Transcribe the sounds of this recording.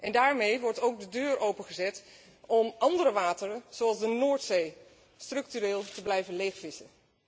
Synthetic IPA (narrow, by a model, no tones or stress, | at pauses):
ʔɛndaːɹmejʋɔɹtowɡ̚dədøːɹʔowpənχəzɛt | ɔmɑndəɾəʋaːtərəz̥oɑlˠzdənoːɹtsej | strɵk̚tyɾeːlˠtəblɛjvənlejχfɪsən